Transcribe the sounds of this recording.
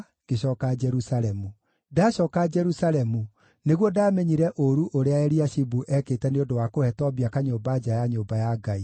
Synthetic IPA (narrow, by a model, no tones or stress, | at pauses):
ɡ̥eɕɔːkad͡ʒɛɾusaɾɛmu | daːɕɔːkad͡ʒɛɾusaɾɛmu | neɣwɔdaːmɛɲiɾɛʔoɾuʔoɾeaɛɾiaʃibuʔɛkeːtɛneodowakohɛtɔβiakaɲoːbad͡ʒajaɲoːmbajaɡai